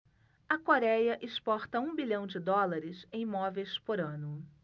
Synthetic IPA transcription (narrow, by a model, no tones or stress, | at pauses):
ɐkoɾɛjɐʔɪspɔɾt̪ɐũbiʎɐ̃w̃d͡ʒɪd̪ɔlaɾɪsẽj̃ĩmɔvejspoɾɐ̃nʊ